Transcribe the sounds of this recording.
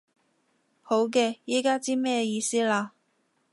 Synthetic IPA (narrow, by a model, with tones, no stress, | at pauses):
ho˨˥wk̬ɛː˧jiː˥kaː˥t͡siː˥mɛː˥jiː˧siː˥laː˧